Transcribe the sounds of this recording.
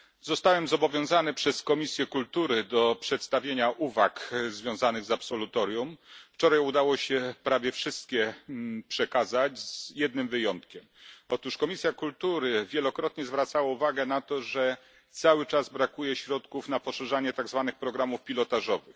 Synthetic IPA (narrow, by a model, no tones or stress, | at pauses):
zɔst̪awɛmzɔbɔvʲjɔ̃w̃zanɘpʂɛskɔmʲisʲjɛkult̪uɾɘd̪ɔpʂɛt̪st̪avʲjeɲaʔuvakzvʲjɔ̃w̃zanɘɣzapsɔlut̪ɔɾjumft͡ʂɔɾajud̪awɔɕɛpɾavʲjɛfʂɘst̪̚kʲɛpʂɛkazat͡ɕzjɛd̪̚nɘmvɘjɔnt̪̚kʲɛmɔt̪uʂkɔmʲisʲjakult̪uɾɘvʲjɛlɔkɾɔt̪ɲɛzvɾat̪sawauvaɡɛnat̪ɔʐɛ | t̪sawɘt͡ʂazbɾakujɛɕɾɔt̪kufnapɔʂɛʐaɲɛt̪aɡzvanɘxpɾɔɡɾamufpʲilɔt̪aʐɔvɘx